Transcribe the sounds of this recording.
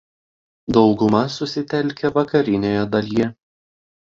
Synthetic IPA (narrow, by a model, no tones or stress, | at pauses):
d̪ɒʊɡʊmɐsʊsʲɪt̪ʲɛlʲkʲɛʋɐkɐɾʲɪnʲoːjɛd̪ɐlʲijɛ